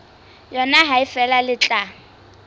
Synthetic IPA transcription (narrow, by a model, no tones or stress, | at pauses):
jɔnaɦaɪfɛlalɪt͡ɬʼa